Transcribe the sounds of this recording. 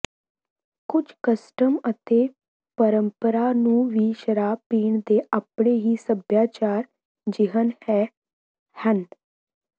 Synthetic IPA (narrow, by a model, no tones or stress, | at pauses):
kʊd͡ʒkəsʈəmət̪eː | pəɾəmpəɾaːnũːʋiːʃəɾaːpiːɳd̪eːʔəpɳ̃eːɦiːsəbjaːt͡ʃaːɾ | d͡ʒɪɦənhɛː | hən